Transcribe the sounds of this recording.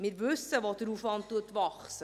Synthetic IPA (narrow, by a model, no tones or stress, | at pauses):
mirvɵsəvɔtəɾufɑntuətvɑχs